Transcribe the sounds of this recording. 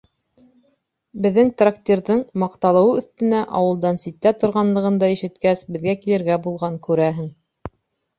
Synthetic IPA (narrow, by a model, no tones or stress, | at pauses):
bɘ̆ðːɘŋt̪rakt̪ʲiɾðɤɴmɑqt̪ɑlˠɤ̆wɤɵ̆θt̪ɘ̆næʔɑwɤ̆lˠd̪ɑnsit̪ːæt̪ŏɾʁɑnlˠɤ̆ʁɤ̆nd̪ɑiʃɘ̆t̪kæsbɘ̆ðɡækilɘ̆ɾɡæbulˠʁɑŋkʉɾæɦɘŋ